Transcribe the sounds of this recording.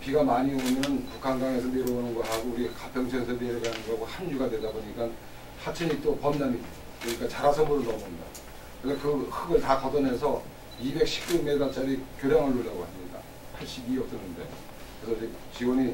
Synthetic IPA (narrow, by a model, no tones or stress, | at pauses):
piɡamaɲiomjʌnpukʰanɡaŋe̞sʰʌneɾoonɯnɡʌɦaɡouɾikapʰjʌŋt͡ɕʰʌnsʰedeeɡanɯnɡʌɦaɡohanjuɡadwe̞daboɲik͈an | hat͡ɕʰɯɲit͈opʌmnami | oɲik͈at͡ɕaɾasʰʌmuɾɯɭnʌmɯɲida̰ | kɯɾekɯhɯɡɯɭtakʌdʌnɦe̞sʰʌ | ibe̞k̚ɕ͈ʰi̥p̚k͈ume̞ɡat͡ɕ͈aɾikjoɾjaŋɯɭːuɭːaɡohamɲida̰ | pʰaɭɕ͈ibiʌp̚t͈ʌnːɯnde̞̰ | kɯɾesʰʌt͡ɕikt͡ɕiwʌni